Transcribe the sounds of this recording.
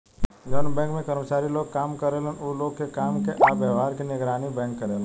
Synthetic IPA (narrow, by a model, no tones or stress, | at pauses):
jɔːnbɛ̃ːŋkmẽkɐɾmət͡ʃaːɾiloːɡ̚kaːmkɐɾeːlenoloːɡkekaːmkeʔabjəːʋaːɾkinɪɡɾaːnibɛ̃ːŋkːɐɾeːlː